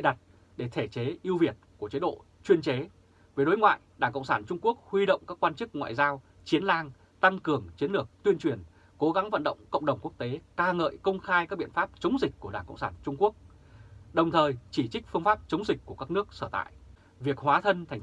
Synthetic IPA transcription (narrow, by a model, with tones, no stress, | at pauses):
ḛ˧˨ɗa˨˩t̚ | ɗe˧˩t̪ʰe˧˩t͡ɕe˨˦ʔi˧əwvi˨˩ət̚ku˧˩ət͡ɕe˨˦ɗo̰˧˨ | t͡ɕwi˧ənt͡ɕe˨˦ | ve˨˩˦ɗo˨˦jŋwa̰ː˧˨jɗaː˧˩ŋkə̰˧˨wŋ͡msaː˧˩nt͡ɕʊ˧ŋ͡mku˦˥ək̚hwi˧ɗə̰˧˨wŋ͡mkaː˦˥kːwaː˧nt͡ɕɨ˦˥k̚ŋwa̰ː˧˨jzaː˧w | t͡ɕi˨˦ənlaː˧ŋ | t̪a˧ŋkɨ˨˩əŋt͡ɕi˨˦ənlɨ˨˩ək̚t̪wi˧ənt͡ɕwi˨˩ən | ko˨˦ɣa˨˦ŋvə˧˨nɗə̰˧˨wŋ͡mkə̰˧˨wŋ͡mɗə˨˩wŋ͡mku˦˥kt̪e˨˦kaː˧ŋə̰ː˧˨jkə˧wŋ͡mxaː˧jkaː˦˥k̚ɓi˧˨ənfaː˦˥p̚t͡ɕə˨˦wŋ͡mzï˨˩k̚ʲkːu˧˩əɗaː˧˩ŋkə̰˧˨wŋ͡msaː˧˩nt͡ɕʊ˧ŋ͡mku˦˥ək̚ | ɗə˨˩wŋ͡mt̪ʰəː˨˩jt͡ɕi˧˩t͡ɕï˦˥k̟̚fɨ˧əŋfaː˦˥p̚t͡ɕə˨˦wŋ͡mzi˨˩k̟̚ʲku˧˩əkaː˦˥k̚nɨ˦˥ək̚səː˧˩t̪a̰ː˧˨j | vi˨˩ək̚hwaː˨˦t̪ʰə˧nt̪ʰa˨˩jŋ